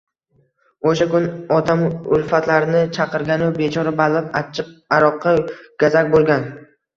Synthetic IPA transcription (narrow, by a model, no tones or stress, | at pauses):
oʃakʊnɒt̪ʰamʊlˠfat̪laɾɪnɪt͡ʃʰɑqɨɾɡʲanɪwbet͡ʃʰɒɾabalɪpat͡ʃʰɪp̚aɾɒqʰːɑɡ̥ʲazakʲbolˠɡʲan